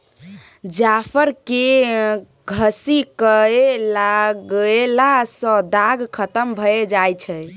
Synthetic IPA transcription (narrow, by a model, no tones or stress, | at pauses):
d͡ʒapʰəɾke | ɡʱəsikəelaɡelasə̃d̪aɡkʰət̪əmbʱəed͡ʒajt͡ʃʰɛj